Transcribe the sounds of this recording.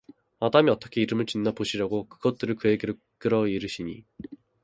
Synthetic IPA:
adamiʌt͈ʌkʰe̞iɾɯmɯɭt͡ɕinːapoɕʰiɾjaɡokɯɡʌt̚t͈ɯɾɯɭkɯeɡeɾɯ | k͈ɯɾʌiɾɯɕʰiɲḭ

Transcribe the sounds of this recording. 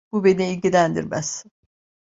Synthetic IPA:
bube̞niilʲɟilʲænd̪ḭɾmæz̥

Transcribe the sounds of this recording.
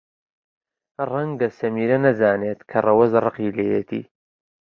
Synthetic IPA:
rɐŋɡɐsɐmiːɾɐnɐzaːneːt̪kʰɐrɐwɐzrɨqiːlejet̪ʰḭː

